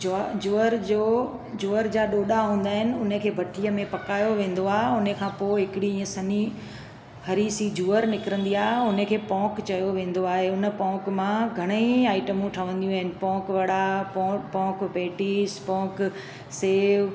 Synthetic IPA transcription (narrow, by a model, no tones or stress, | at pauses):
d͡ʑoːəɾd͡ʑoː | d͡ʑuːəɾd͡ʑaːɗoːɗaɦũːn̆d̪aːɦɪnɪ̆ʊn̤əkʰeːbʱɐʈʰijəmẽpɐkaːjoʋẽːn̆d̪oaːɦeʊnəkʰãːpoːɪɦɪkɪɽiĩːə̃sɐni | hɐɾisid͡ʑuːəɾnɪkɪɾə̃nd̪iaːɦeʊnəkʰeːpɔ̃ːkt͡ɕɐjoʋẽːn̆d̪oaːɦeʊnə̆pɔ̃ːkmãɡʱɐɽ̃eiaːɪʈəmũʈʰɐʋ̤ə̃nd̪ijũaɦɪnɪ̆pɔ̃ːkʋɐɽapːpɔ̃ːkpeːʈispɔ̃ːk | seːʋ